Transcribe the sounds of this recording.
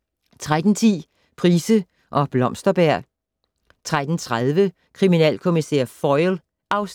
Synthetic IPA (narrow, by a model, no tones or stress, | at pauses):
t͡sʰʁad̥n̩t͡sʰḭː | pʰʁiːsə | ʔɒ̽b̥lɒ̽msd̥ɐb̥æɐ̰ | t͡sʰʁad̥n̩t͡sʰʁaðˠʋə | kʰʁiminɛ̰ːlkʰo̝misɛːɐ̰fɒɪl | ʔɑ̈ʊs